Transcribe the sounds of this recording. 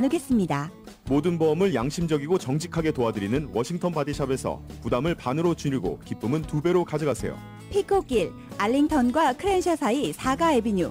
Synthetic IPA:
nɯɡe̞s͈ɯmɲida | modɯnbʌmɯɭjaŋɕʰimd͡ʑʌɡiɡot͡ɕʌŋd͡ʑikʰaɡe̞toadɯɾinɯnwʌɕʰiŋtʰʌnpadiɕʰabe̞sʰʌ̰pudamɯɭpanɯɾot͡ɕuɲiɭɡo̰kip͈ɯmɯntube̞ɾokad͡ʑɯɡasʰe̞̰jo̰ | pʰikʰok͈iɭ | aʎːiŋtʰʌnɡwakʰɯɾenɕʰʌsʰaisʰaɡaebiɲu

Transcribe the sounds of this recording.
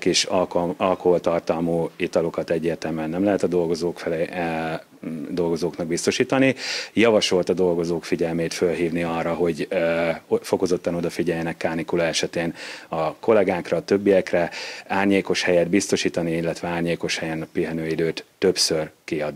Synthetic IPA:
kiʃɒlkoɦo̞lt̪ɒrt̪ɒlmuːit̪ɒlo̞kɒt̪ɛɟːeːrt̪ɛmyɛnːɛmlɛɦɛt̪ɒd̪o̞lɡo̞zoːkfl | d̪o̞lɡo̞zoːknɒɡ̚bist̪o̞ʃiːt̪ɒnijɒvɒʃo̞lt̪ɒd̪o̞lɡo̞zoːkfiɟɛlmeːt̪følɦiːvniɒrːɒɦo̞ɟ | foko̞zo̞t̪ːɒno̞d̪ɒfiɟɛjɛnɛkːaːnikulɒɛʃɛt̪eːnɒko̞lɛɡaːkrɒːt̪ø̞bːijɛkrɛaːrɲeːko̞ʃhɛjɛd̪bist̪o̞ʃiːt̪ɒniilːɛt̪ʋɛaːrɲeːko̞ʃhɛjɛnpiɦɛnøːid̪øːt̪ːø̞psø̞rkiɒd̪

